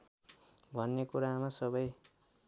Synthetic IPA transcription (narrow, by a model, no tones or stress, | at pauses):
bʱʌnːekuɾamasʌbʌj